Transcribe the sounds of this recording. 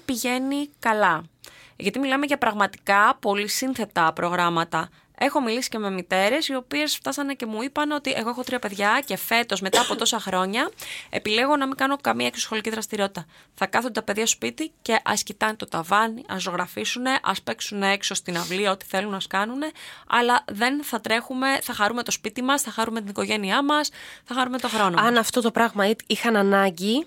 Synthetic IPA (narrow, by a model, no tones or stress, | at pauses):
piʝe̞nikɐlɐ | ʝɐt̪imilɐme̞ʝɐpɾɐɣmɐt̪i̥kɐpo̞lisinθe̞t̪ɐpɾo̞ɣɾɐmɐt̪ɐ | e̞xo̞milisi̥ce̞me̞mit̪e̞ɾe̞sio̞pie̞sft̪ɐsɐne̞ce̞muipɐneo̞t̪iʔe̞ɣo̞exo̞t̪ɾiɐpe̞ðʝɐce̞fe̞t̪o̞zme̞t̪ɐːpo̞t̪o̞sɐxɾo̞ɲɐḛpile̞ɣo̞nɐmiŋɡɐno̞kɐmiɐeksosxo̞liciðɾɐst̪iɾio̞t̪it̪ɐ | θɐkɐθund̪t̪ɐpe̞ðʝɐso̥spit̪ice̞ʔɐ̰scit̪ɐnet̪o̞t̪ɐvɐniʔɐ̰so̞ɣɾɐfisune̞ʔɐ̰spe̞ksunee̞kso̞st̪inɐvliɐo̞t̪i̥θe̞lunɐɐskɐnune̞ɐ̰lɐðe̞nθɐt̪ɾe̞xume̞θɐxɐɾume̞t̪o̞spit̪imɐsθɐxɐɾume̞t̪iniko̞ʝe̞niɐmɐsθɐxɐɾume̞t̪o̞xɾo̞no̞ɐnɐft̪o̞t̪o̞pɾɐɣmɐiixɐnɐnɐɲɟi